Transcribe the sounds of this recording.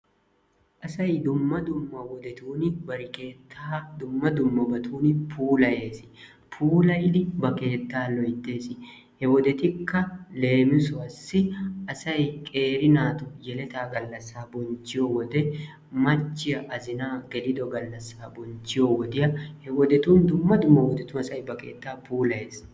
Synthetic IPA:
ʔɐsɐjd̪ʊmːɐd̪ʊmːɐwɔd̪ɛt̪uːnɪbɐɾɪke̞ːt̪ʰːaːd̪ʊmːɐd̪ʊmːɐbɐt̪ʰuːnɪpʰuːlɐje̞ːsɪ̥ | pʰuːlɐjɪd̪ɪbɐke̞ːt̪ːaːlɔjt̪ːe̞ːsɪ | hɛwɔd̪ɛt̪ɪkːɐle̞ːmɪsɔɐsːɪʔɐsɐjkʼe̞ːɾɪnaːt̪ɔjɛlɛt̪aːɡɐlːɐsːaːbɔnt͡ʃːɪjɔwɔd̪ɛ | mɐt͡ʃːɪjɐʔɐzɪnaːɡɛlɪd̪ɔɡɐlːɐsːaːbɔnt͡ʃːɪjɔwɔd̪ɪjɐhɛwɔd̪ɛt̪uːnd̪ʊmːɐd̪ʊmːɐwɔd̪ɛt̪ʊnɐsɐjbɐke̞̰ːt̪ːaːpuːlɐje̞ːs

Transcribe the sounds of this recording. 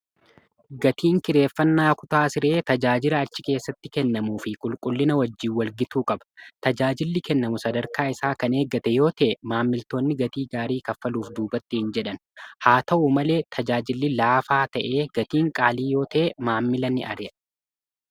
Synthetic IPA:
ɡɐt̪iːŋkɪɾe̞ːfːɐnːaːkʊt̪aːsɪɾe̞ːt̪ɐd͡ʒaːd͡ʒɪlɐːt͡ʃːɪke̞ːsːɐt̪ːɪkɛnːɐmuːfɪkʼʊlkʼʊlːɪnɐwɐd͡ʒːiːwɐlɡɪt̪uːkʼɐbɐ̥t̪ɐd͡ʒaːd͡ʒɪlːɪkɛnːɐmʊsɐd̪ɐɾkaːɪsaːkɐne̞ːɡːɐt̪ɛjo̞ːt̪ɐʔɛmaːmːɪlt̪o̞ːnːɪɡɐt̪iːɡaːɾiːkɐfːɐluːfd̪uːbɐt̪ːɪhɪnd͡ʒɛᶑɐnhaːt̪ɐʔumɐle̞ːt̪ʰɐd͡ʒaːd͡ʒɪlːɪlaːfaːt̪ɐʔe̞ːɡ̥ɐt̪iːŋkʼaːliːjo̞ːt̪ɐʔɛmaːmːɪlɐnːɪ̰ʔɐ̰ɾɛ

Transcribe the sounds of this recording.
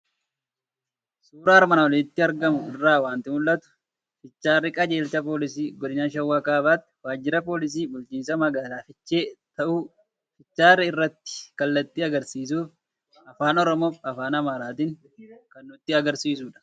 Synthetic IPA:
suːɾaːɾmɐnɐwɔlɪnɪt̪ːɪɐɾɡɐmʊɪrːaːwaːnt̪ɪmʊlːɐt̪ʊ̥ | fɪt͡ʃːaːrːɪkʼɐd͡ʒe̞ːlt͡ʃɐpo̞ːlɪsiːɡɔᶑɪnaːʃɐwːaːkaːbaːt̪ːɪ̥waːd͡ʒːɪɾɐpo̞ːlɪs̬iːbʊlt͡ʃiːnsɐmɐɡaːlaːfɪt͡ʃːeːt̪ɐʔuː | fɪt͡ʃːaːrːɪɪrːɐt̪ːɪ̥kɐlːɐt̪ːɪɐɡɐɾsiːs̬uːf | ɐfaːnɔɾɔmoːfɐfaːnɐmaːɾaːt̪iːŋ | kɐnːʊt̪ːɪɐɡɐɾsiːs̬uːᶑɐ̥

